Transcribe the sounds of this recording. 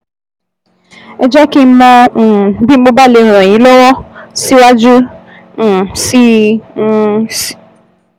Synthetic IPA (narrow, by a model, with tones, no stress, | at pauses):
ɛ˨d͡ʒa˦ki˦m̩˦mɔ̃˧˨˦bi˦m̩˦k͡po˦ba˦lẽ˨ɾ̃ɔ̃˨ĩ˨˦lɔ˦wɔ˦si˦wa˦d͡ʒu˦˨ | si˦ | si̥˦